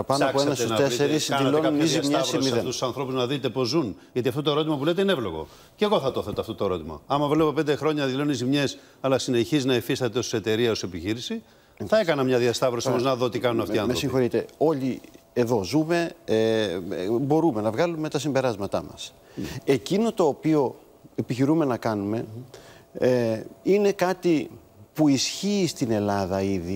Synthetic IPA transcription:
pɐnoɐpoenɐsnɐt̪eeɾisðilonunizimɲesɾimiðet̪ussɐnθɾo̞puznɐðit̪e̞po̞zun | ʝɐt̪iɐft̪o̞t̪oeɾo̞t̪imɐp̬ulet̪einevlo̞ɣo̞̰ | ceɣo̞θɐt̪oθet̪eɐft̪ot̪oeɾo̞t̪imɐ̰ɐmɐvlevo̞pe̞nd̪exɾo̞ɲɐðilo̞nunizimɲe̞s | ɐlɐsineçiznɐifist̪ɐt̪eose̞t̪e̞ɾiɐo̞se̞piçiɾisi | θɐe̞kɐnɐmɲɐðiɐst̪ɐvɾosiomoznɐðo̞t̪ikɐnunɐft̪iɐnmeɾsĩŋxo̞ɾit̪e̞o̞ʎi | e̞ðo̞zume̞ | bo̞ɾume̞nɐvɣɐlume̞t̪ɐsimbe̞ɾɐzmɐt̪ɐmɐ̰s | e̞cino̞t̪o̞ːpio̞ | e̞piçiɾume̞nɐkɐnume̞ | ine̞kɐt̪i | puisçiːst̪ine̞lɐðɐiði

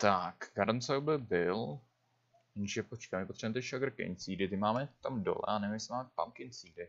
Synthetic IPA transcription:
t̪akɡaɾnsowbɛbɪl | ʒɛpot͡ʃkamɪpot̪rɛbmɛt̪ɪʃaɡɾ̩kɪ̰nt͡siːdɪt̪ɪmaːmɛt̪amdo̰lɛ̰anɛmsɛmaːmɛpa̰mkɪnt͡siːdɪ

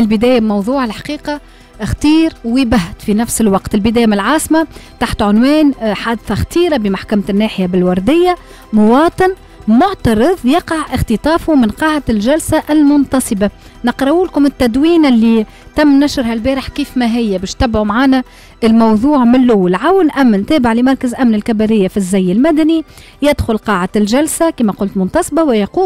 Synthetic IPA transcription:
ʔɪlbɪd̪ɛːjamɑwðˤuːʕɪlħḁqiːqɑ | xt̪iːɾwɪbaɦt̪finæfsɪlwɑqt̪ɪlbɪd̪ɛːjmnɪlʕɑːsmat̪aħt̪ʕʊnwɛːnħad̪θɑxt̪iːɾabɪmaħkæmnːæːħɪjabɪlwɑɾˤd̪ɪjːa | mʊwɑːt̪ˤɨn | mʊʕt̪ɑɾˤɨðˤjɑqɑʕʔɪxt̪ɨt̪ˤɑːfumɪnqɑːʕt̪ɪlʒælsaʔɪlmʊnt̪ɑsˤɨba | nɪqɾˤɑuːlkʊmɪt̪ːæd̪wiːnɪlːi | t̪æmːnæʃɾɦælbæːɾɪħkiːfmæɦɪjːæbɛːʃt̪æbʕumʕaːnæ | ɪlmɑwðˤuːʕmɪnlʊwːɪlʕawnʔæmːænt̪æːbɪʕlɪmɑɾˤkazʔæmnɪlkabælɪjːafizːæjːɪlmæd̪æni | jɪd̪xʊlqɑːʕalʒælsakiːmæqʊlt̪mʊnt̪ɑsˤbawɪjɑquː

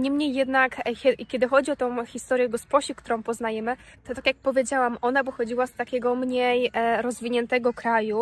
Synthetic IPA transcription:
ɲimɲejːɛd̪nakʲɛikʲɛd̪ɘxɔd͡ʑiɔt̪ɔ̃w̃xʲist̪ɔɾjɛɡɔspɔɕikt̪uɾɔ̃w̃pɔznajɛmɘt̪ɔt̪akʲjak̚pɔvʲed͡ʑawamɔnabɔxɔd͡ʑiwast̪akʲɛɡɔmɲejɾɔzvʲiɲɛnt̪ɛɡɔkɾaju

